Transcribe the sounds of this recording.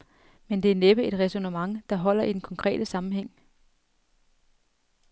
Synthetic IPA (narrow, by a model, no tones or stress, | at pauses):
mend̥e̝æɐneb̥əe̝d̥ʁɛso̝nəmɑ̈ŋd̥ɑ̈ɦɒ̽l̰ɐʔid̥en̩kʰɒ̽ŋkʰʁɛ̰ːd̥əsɑ̈mm̩ɦeŋ̰